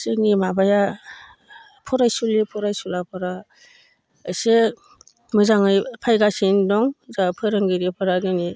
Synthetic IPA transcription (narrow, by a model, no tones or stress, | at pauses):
sɯŋimabaja | pʰɔɾajsulipʰɔɾajsulapʰɯɾaː | se | mɯzaŋɯjpʰajɡasindɔŋzapʰɯɾɯŋɡiɾipʰɯɾaɡɯni